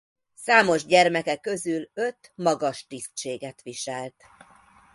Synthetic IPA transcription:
saːmo̞ʒɟɛrmɛkɛkːø̞zylø̞t̪mɒɡɒʃt̪ist͡ʃeːɡɛt̪ʋiʃɛlt̪

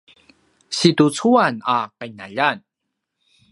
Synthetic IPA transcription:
situt͡suanakainaʎan

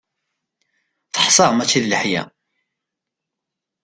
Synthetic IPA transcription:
θə̥ħsˤɑʁmæt͡sːiðləħjæ̰

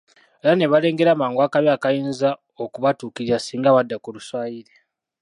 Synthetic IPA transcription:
elane̞βale̞ːŋɡe̞ɾamaːŋɡwaːkaβjakajiːnza | okuβatuːkiɾasiːŋɡaβadːakuluswaːjiɾe

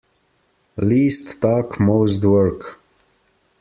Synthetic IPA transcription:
listːɔkmoʊsdwɜ˞k

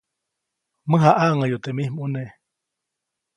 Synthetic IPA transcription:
mɨɦaʔaʔŋajot̪emihmuneʔ

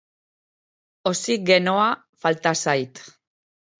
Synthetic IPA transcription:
o̞siɡe̞noa | falt̪asajt̪

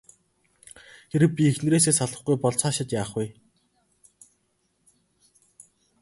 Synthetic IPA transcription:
xeɾɘ̆pʲiexn̆ɾeːs̬eːsaɮə̆χɡujpɔɮt͡saːʃɪ̆t̪jaːχuj

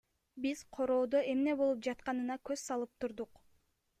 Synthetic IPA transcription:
biz̥qʰo̞ɾo̞ːd̪o̞ʔe̞mne̞bo̞lˠup̚d͡ʒɑt̪qɑnɯnɑkøzsɑlˠɯp̚t̪uɾd̪uq

